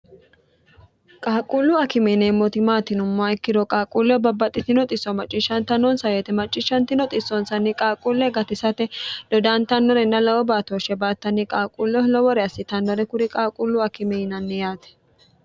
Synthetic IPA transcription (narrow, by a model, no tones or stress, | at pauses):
kʼaːkʼulːʊɐkɪmɛneːmːɔt̪ɪmaːt̪ɪnʊmːaɪkːɪd̪ɔkʼaːkʼuːlːɛbɐbːɐt̪ʼɪt̪ɪnɔt̪ʼɪsːɔmɐt͡ʃʼːɪʃːɐnt̪ɐnːɔnsɐweːt̪ɛmɐt͡ʃʼːɪʃːɐnt̪ɪnɔt̪ʼɪsːɔnsɐnːɪkʼaːkʼuːlːɛɡɐt̪ɪsɐt̪ɛd̪̥ɔd̪aːnt̪ɐnːɔɾɛnːɐlɐwɔbaːt̪oːʃɛbaːt̪ːɐnːɪkʼaːkʼuːlːɔlɔwɔɾɛɐsːɪt̪ɐnːɔɾɛkʊɾɪkʼaːkʼulːʊɐkɪmɛɪnɐnːɛjaːt̪ɛ̥